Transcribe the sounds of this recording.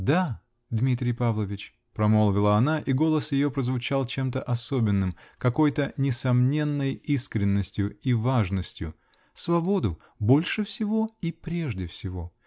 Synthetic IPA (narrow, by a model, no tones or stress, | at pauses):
d̪a | d̪mʲit̪ɾʲɪjpavlˠəvʲɪt͡ɕ | pɾɐmolˠvʲɪlˠəɐnaʔiɡo̞lˠəsjɪjo̞pɾəzvʊt͡ɕalˠt͡ɕe̞mt̪əʔɐsobʲɪnːɨmkɐko̞jt̪ənʲɪsɐmnʲe̞nːəjiskɾʲɪnːəsʲtʲjʊivaʐnəsʲtʲjʊ̰ | svɐbo̞d̪ʊ | bo̞lʲʂɨfsʲɪvo̞ipɾʲe̞ʐdʲɪfsʲɪvo̞